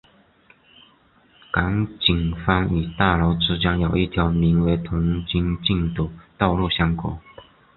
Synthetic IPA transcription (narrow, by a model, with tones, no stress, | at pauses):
ka˧˥ŋt͡ɕi˨˩ŋfɑ˥ŋy˨˩t̪a˥˩lo˧˥ʊʈ͡ʂɻ̩˥t͡ɕjɑ˥ŋjo˨˩ʊi˥˩t̪ʰjɑ˧˥ʊmi˧˥nwe˧˥ɪt̪ʰʊ˧˥ŋt͡ɕi˥ŋt͡ɕi˥˧ŋt̪u˨˩t̪ɑ˥˧ʊlu˥˩ɕjɑ˥ŋkɔ̰˨˩˦